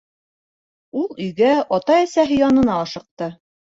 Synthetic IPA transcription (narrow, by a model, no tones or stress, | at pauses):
ulˠɵ̆jɡæɒt̪ɑæsæɦɘjɒnɤ̆nɑːʃɤ̆q̚t̪ɤ